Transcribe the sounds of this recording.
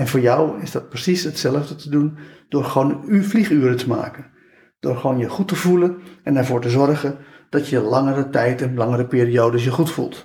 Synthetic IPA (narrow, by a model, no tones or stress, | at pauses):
ɛnvoːɹjɔwɪzdɑt̚prəsishətsɛlˠəvdətədund̥oːrɹxʋoːnyflixyəɾətəma̰ːkən | d̥oːɹxʋoːnjəχutəvulənɛnɛɹvoːɹtəzɔrɣən | d̥ɔtjəlɑŋəɾətɛjtənlɑŋəɾəpiːɾioːdəsjəxutfṵlˠt